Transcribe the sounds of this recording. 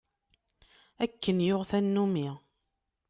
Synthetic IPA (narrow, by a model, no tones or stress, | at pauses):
ækːənjʊʁθænːumi